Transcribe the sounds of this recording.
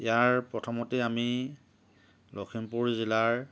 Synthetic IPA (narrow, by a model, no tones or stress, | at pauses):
ijaɹpɹɔtʰɔmɔtɛami | lokʰimpuɹzilaɹ